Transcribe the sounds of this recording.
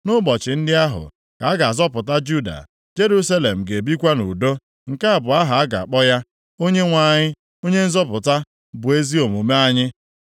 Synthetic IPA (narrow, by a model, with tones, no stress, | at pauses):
nʊ˦bɔ˨t͡ʃɪ˨n̩˦dɪ˦a˦ɦʊ̰˨ | ka˨a˦ɡa˨a˨zɔ˦pʊ˨ta˦d͡ʒu˦da̰˨ | d͡ʒe˦ɾu˦sa˦le˨m̩˨ɡe˨bi˦kʷa˦nṵ˨do˦ | ŋ̩˨ka˦a˨bʊ˨a˦ɦa˨a˦ɡa̰˨k͡pɔ˦ja˦ | o˦ɲe˦ŋʷa˦˨ɲɪ˦ | o˦ɲe˦n̩˦zɔ˦pʊ˨ta˦ | bʊ˨e˦zi˦o˨m˨u˨me˦a˦ɲɪ˦